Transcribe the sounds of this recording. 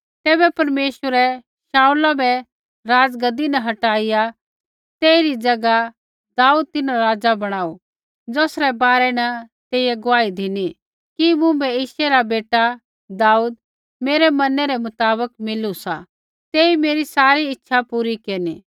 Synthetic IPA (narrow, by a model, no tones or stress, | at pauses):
t̪ɛːbɛpɐɾmeːʃəɾɛ | ʃaːulabɛ | ɾaːd͡zɡɐd̪inɐɦɐʈaːɪja | t̪eːiɾid͡ʒɐɡa | d̪aːuːd̪̚t̪ɪnaɾaːd͡zabɐɽ̃aːu | d͡zoːsɾɛbaːɾɛnɐt̪eːɪjɛɡʊaːid̪ʱɪni | kimũbɛɪːʃɛɾabeːʈa | d̪aːuːd̪̚ | meːɾɛmɐnɛɾɛmʊt̪aːβəkmɪlusa | t̪eːimeːɾisaːɾiɪtːʃʰapuːɾikeːɾni